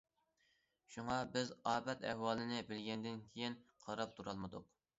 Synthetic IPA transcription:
ʃuŋɑbɪzɑːbɛt̪ɛ̰hwɑːlˠɪnɪbɪlɡʲɛnd̪ɪnkʲʰejinqʰɑɾɑp̚t̪ʰuɾɑlˠmɨd̪uq

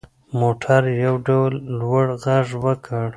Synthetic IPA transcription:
moʈʰaɾjawɖawlːwaɽɣaʐwəkʰəɽ

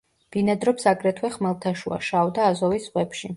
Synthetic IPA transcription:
b̪̥inad̪ɾɔpsaɡɾɛt̪ʰwɛχmɛlˠt̪ʰaʃua̰ʃavd̪aːzɔvisʁʼwɛpʃi

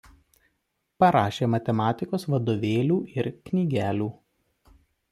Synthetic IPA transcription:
pɐɾɑːʃʲeːmɐt̪ʲɛmɑːt̪ʲɪkoːsʋɐd̪oːʋʲeːlʲuːɪɾkʲnʲiːɡʲæːlʲuː

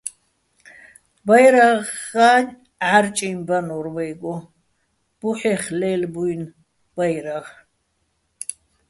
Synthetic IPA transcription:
bajɾaʁːaːn | aɾt͡ʃʼimbanɔɾwɛjɡɔ | b̥uħɛχlɛːlbujn | b̥ajɾaʁ

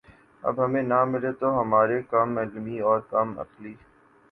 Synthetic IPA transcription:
ɐ̰bɦɐmẽnamɪlet̪oɦɐmaːɾekɐmɛlmiɔːɾkɐmɐ̰qliː

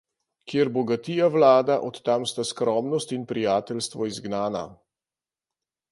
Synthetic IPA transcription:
kjeɾbɔɡat̪ijaʋlaːd̪aʔɔt̪ːamst̪askɾɔmnɔst̪inpɾijaːt̪ɛlst̪ʋɔizɡnaːna̰

